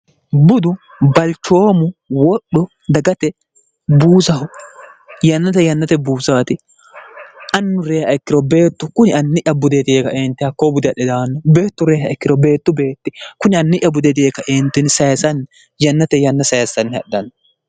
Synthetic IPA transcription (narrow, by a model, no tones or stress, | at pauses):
bʊd̪ʊ | bɐlt͡ʃːo̞ːmʊwɔɗɔ | d̪ɐɡɐt̪ɛ | buːsɐhʊ | jɐnːɐt̪ɛjɐnːɐt̪ɛbuːsaːt̪ɪ | ʔɐnːʊɾeːhɐɪkːɪɾɔbe̞ːt̪ːʊkʊnɪɐnːɪʔɐbʊd̪et̪ɪeːkɐʔeːnt̪ːɪhɐkːoːbʊd̪ɪɐɗɛd̪aːnːɔbe̞ːt̪ːʊɾeːhɐɪkːɪɾɔbe̞ːt̪ːʊbe̞ːt̪ːɪkʊnɪɐnːɪʔɐbʊd̪ɛt̪̬ɪeːkɐʔeːnt̪ːɪnsɐjɐsɐn | jɐnːɐt̪ɛjɐnːɐsɐjɐsːɐnːhɐ̰ɗːɐnːɔ